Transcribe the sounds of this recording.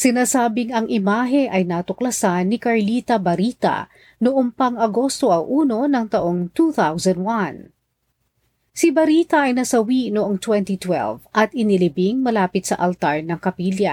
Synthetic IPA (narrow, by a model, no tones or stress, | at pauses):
sɪnaːsaːbɪŋɐŋʔɪmaːɦɛʔɐjnat̪ʊklɐsanːɪkɐɹlit̪ɐbɐɾit̪ɐ̰ | noʔompɐŋɐɡo̞st̪o̞ʔɐwʔuːno̞nɐŋt̪ɐʔo̞ŋt̪uθawzɐ̃nd̪wɐn | sibɐɾit̪ɐʔɐjnɐsɐwinoʔoŋt̪wɛnt̪it̪wɛ̰lvʔɐt̪ɪnɪlɪbiŋmɐlaːpɪt̪sɐ̰ʔɐlt̪aɹnɐŋkɐpiljɐ